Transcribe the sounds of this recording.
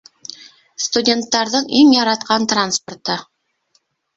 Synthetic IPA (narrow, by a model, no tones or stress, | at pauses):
st̪udʲe̞nt̪ːɑɾd̪əɴeŋjɑɾɑt̪qɑnt̪ranspo̞rt̪ə